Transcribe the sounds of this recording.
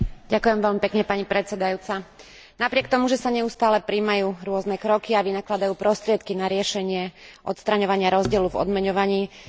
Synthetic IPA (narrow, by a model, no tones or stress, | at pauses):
ɟakujɛmʋɛʎmipɛkɲɛpaɲipɾɛt̪t͡sɛd̪ajuːt͡sa | napɾɪɛk̚t̪ɔmuʒɛsaɲɛust̪aːlɛpɾiːmajuːɾʊɔznɛkɾɔkiaʋinaklad̪ajuːpɾɔst̪ɾɪɛt̪kinaɾɪɛʃɛɲɪɛʔɔt̪st̪ɾaɲɔʋaɲɪaɾɔzɟɪɛluvɔ̰d̪mɛɲɔʋaɲiː